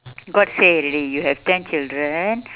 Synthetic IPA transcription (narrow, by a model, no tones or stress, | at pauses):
ɡɔʈseːɾilijuːɦɛʋʈʰɛ̃nt͡ʃɪlɖɾən